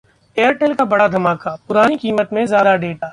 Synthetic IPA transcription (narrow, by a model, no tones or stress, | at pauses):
eːəɾʈɛːlkabɐɽad̪ʱɐmaːkapʊɾaːnikiːmət̪mẽzjaːd̪aɖeːʈaː